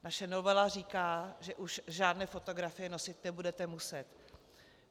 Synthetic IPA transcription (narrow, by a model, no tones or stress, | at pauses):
naʃɛno̞vɛlar̝iːkaːʒɛʔuʃʒaːdnɛːfo̞t̪oɡɾafɪjɛnosɪt̪nɛbudɛt̪ɛmusɛt̪